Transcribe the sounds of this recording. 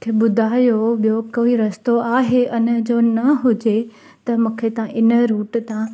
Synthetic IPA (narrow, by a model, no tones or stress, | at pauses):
kʰeɓʊd̪ʱaːjoɓijokoːiɾɐst̪oaːɦeʔʊnə̆d͡ʑonɐɦʊd͡ʑe | t̪ɐmũːkʰet̪ɐ̤ãʔɪnə̆ɾuːʈt̪ã